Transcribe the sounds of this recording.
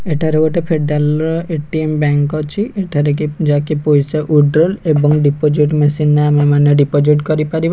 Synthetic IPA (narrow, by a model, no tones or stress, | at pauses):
eʈʰaɾeɡɔʈepʰeɖalɾɔeʈiembɛŋkɔt͡ʃʰiʔeʈʰaɾekid͡ʒakipojseʔuɖɾɔlebɔŋɖipod͡ʒiʈmesinamamaneɖipɔd͡ʒiʈkɔɾipaɾiba